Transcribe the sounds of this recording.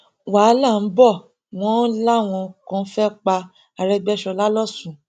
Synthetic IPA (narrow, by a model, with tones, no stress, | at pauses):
wa˨˦la˦˨n̩˦bɔ˦˨ | w̃ɔ̃˦n̩˦la˦˨w̃ɔ̃˧kɔ̃˧˦fɛ˦k͡pa˧ | a˧ɾɛ˧ɡ͡bɛ˦ʃɔ˧la˦lɔ˦˨sũ˨